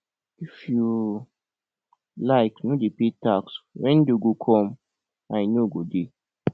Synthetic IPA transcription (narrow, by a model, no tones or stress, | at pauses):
ifju | laɪknodipitːakswɛ̃nduɡukʰɔm | ajnoɡudi